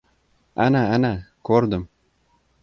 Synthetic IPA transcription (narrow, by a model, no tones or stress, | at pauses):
anaanakʲʰɵɾd̪ɪm